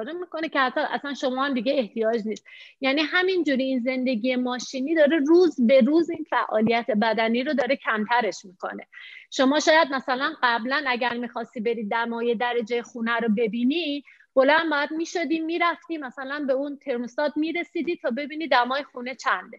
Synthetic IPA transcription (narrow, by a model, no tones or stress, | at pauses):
ɾemiko̞necʰehæt̪ʰːɒʔæ̰sænʃo̞mɒːhæmd̪iɡeeht̪ijɒːd͡ʒniːst̪jæːniːɦæmind͡ʒuːɾiːnze̞nd̪e̞ɡiːe̞mɒːʃiːniːd̪ɒːɾeruːzbe̞ɾuːzinfæʔɒːlijæt̪ʰe̞bæd̪æniːɾod̪ɒːɾecʰæmt̪ʰæɾe̞ʃmiːkʰo̞̰ne̞̰ʃo̞mɒːʃɒːjæd̪̚mæsælænɢæblænæɟæɾmiːxɒːst̪ibe̞ɾiːd̪d̪æmɒːje̞d̪æɾed͡ʒejexuːnæɾobe̞biːni | b̥o̞læmbɒjæd̪miːʃod̪iːmiːɾæft̪iːmæsælænbe̞unt̪ʰe̞ɾmost̪ɒːd̪miːɾe̞siːd̪iːt̪ʰɒːbe̞biːnid̪æmɒːjexuːne̞t͡ʃʰænd̪e